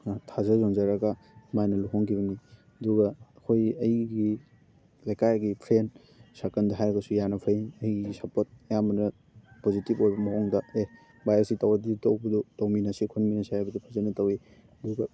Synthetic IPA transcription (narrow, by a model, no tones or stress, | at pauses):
tʰazɐzonzaɾɐɡɐ | majnɐluɦɔŋkʰiβɐni | ɐduɡɐːkʰojɐjɡi | lajkajɡipʰɾen | sakɐndɐɦajɾɐɡɐsujanɐpʰajɐjɡɡisapot̚jamɐnɐ | pozitipojbɐmɐɦɔŋdɐe | bajesitawaditowbɐdutawminɐsikʰonminɐsajabɐdupʰazanɐtɐwi | ɐduɡɐ